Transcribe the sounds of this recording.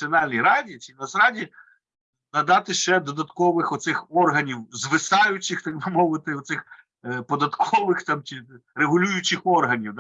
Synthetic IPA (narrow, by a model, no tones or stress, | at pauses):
iɔnɑlʲnʲijɾɑdʲit͡ʃʲinɐsɾɑdʲi | nɐd̪ɑt̪ɪʃt͡ʃɛd̪ɔd̪ɐt̪kɔʋɪxɔt̪sɪxɔrɦɐnʲiwzʋɪsɑjʊt͡ʃɪxt̪ɐɡ̚bɪmɔʋɪt̪ɪɔt̪sɪx | pɔd̪ɐt̪kʰɔʋɪxt̪ɑmt͡ʃɪreɦʊlʲujʊt͡ʃɪxɔrɦɐnʲiwd̪